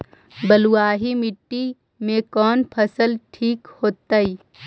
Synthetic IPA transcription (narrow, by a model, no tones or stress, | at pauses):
bəluwaːɦimɪʈːi | mẽkɔːnpʰəsəlʈʰiːkhoːt̪aiː